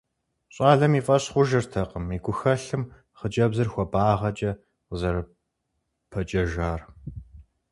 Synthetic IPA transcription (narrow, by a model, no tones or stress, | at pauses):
ɕʼaːɮɐmiːfʼɐɕχʷʊʒɐrtʰɐqəmiːɡʷʊxɐɬɨm | χəd͡ʒɐbzɨrxʷɔbaːʁɐt͡ʃʼɐ | qzɐɾɨ | pʰɐt͡ʃʼɐʒaːr